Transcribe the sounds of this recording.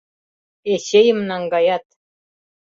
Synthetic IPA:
eɕejɘ̆mnɑŋɡɑjɑt̪̚

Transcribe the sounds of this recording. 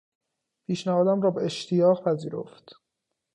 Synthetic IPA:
pʰiːʃnæɦɒːd̪æmɾɒːbeeʃt̪ʰijɒːɣpʰæziːɾo̰ft̪

